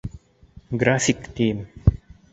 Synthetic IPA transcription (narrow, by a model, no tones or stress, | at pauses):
ɡɾaːfik̚t̪ʰiːm